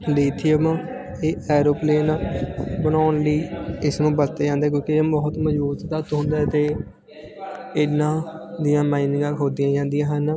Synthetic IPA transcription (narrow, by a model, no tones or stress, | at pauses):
leːt̪ʰːiəʋãː | eːɛːɾoːpleːnabənaːnləiːɪsnũːbəɾt̪eːd͡ʒãːnd̪eːk̬jõːkieːbɔːt̪məd͡ʒbuːt̪d̪aːt̪ɦõːnd̪aːt̪eː | ɪnːãːd̪ɪjãːmaːinɪ̃ŋɡãːɦoːd̪ɪijãːd͡ʒãːnd̪ɪjãːɦən